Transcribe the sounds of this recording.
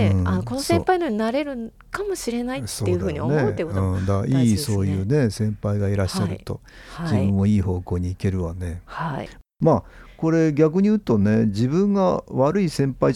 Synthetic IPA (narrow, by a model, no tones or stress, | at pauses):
ɯ̃anoko̞nosẽpainoɲ̟inaɾe̞ɾɯ̟ | kamo̞ɕiɾe̞naitsoeːɯ̟ɯ̟ːɲioneekoɯ̃ːd̪aiːso̞ːjɯːne̞sẽ̞mpaiɡaiɾaɕːaɾɯ̟t̪o̞̰ | d͡ʑibɯ̟̃ɰ̃ːo̞iːho̞ːko̞ːɲ̟iːke̞ɾɯ̟βane̞ha | maːko̞ɾe̞ɡʲak̬ɯ̟ɲ̟ijɯ̟t̪o̞ne̞d͡ʑibɯ̟̃ŋɡaβaɾɯ̟isẽ̞mpai